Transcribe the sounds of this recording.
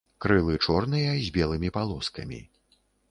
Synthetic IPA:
kɾɨlˠɨt͡ʂɔrnɨjɐzʲbʲɛlˠɨmʲipalˠɔskɐ̰mʲḭ

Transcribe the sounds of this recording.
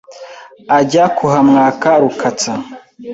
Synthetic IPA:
aɟakʰuɦamŋaːkaɾukʰat͡sa

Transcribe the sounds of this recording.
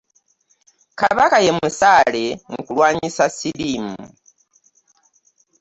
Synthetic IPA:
kaβakaje̞musaːle̞ŋɡukulwaːɲisasiɾimu

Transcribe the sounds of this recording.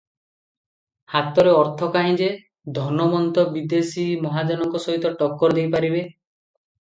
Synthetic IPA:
hat̪ɔɾeɔɾt̪ʰɔkaɦĩd͡ʒe | d̪ʱɔnɔmɔnt̪ɔbid̪esimɔɦad͡ʒɔnɔŋkɔsɔɦit̪ɔʈɔkːɔɾd̪ejpaɾibe

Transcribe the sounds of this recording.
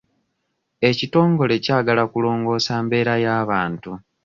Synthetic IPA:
e̞cito̞ːŋɡo̞le̞caːɡalakulo̞ːŋɡo̞ːsaːmbe̞ːɾajaːβaːntu

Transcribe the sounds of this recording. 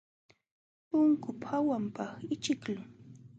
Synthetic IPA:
pʊŋkʊphawampɑχɪt͡ʃɪklʊ

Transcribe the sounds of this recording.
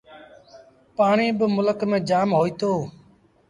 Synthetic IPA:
paːɳiːbəmʊləkmẽːd͡ʒaːmɦoːiːt̪oː

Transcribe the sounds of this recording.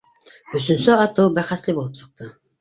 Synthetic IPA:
ɵ̆sɵ̆nsɘɑt̪ɤwbæχæslɘbulˠɤpsɤ̆q̚t̪ɤ

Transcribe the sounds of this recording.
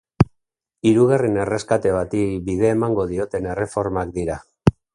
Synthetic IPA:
iɾuɣ̞arine̞re̞skat̪e̞β̞at̪ibiðe̞ːmaŋɡo̞ð̞io̞t̪e̞ne̞re̞fo̞ɾmakd̪iɾa

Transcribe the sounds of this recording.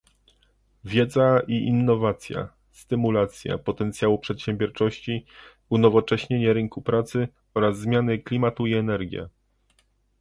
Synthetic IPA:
vʲjɛd̪zaiʔinːɔvat̪sʲja̰ | st̪ɘmulat̪sʲja̰pɔt̪ɛnt̪sʲjawupʂɛt̪ɕɛ̃mbʲjɔɾt͡ʂɔɕt͡ɕi | unɔvɔt͡ʂɛɕɲeɲɛɾɘŋkupɾat̪sɘ | ɔɾazːmʲjanɘklʲimat̪uiɛnɛɾɡʲjɛ̰

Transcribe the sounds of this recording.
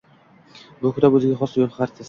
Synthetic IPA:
bʊkʰʊɾabɵzɪɡʲaχɒsjolˠχaɾt͡ʃ̪ʰas

